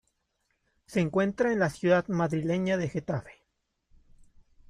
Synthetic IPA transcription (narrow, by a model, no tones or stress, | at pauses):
se̞ːŋkwe̞nt̪ɾaenlasjuðaðmaðɾile̞ɲaðe̞xe̞t̪afe̥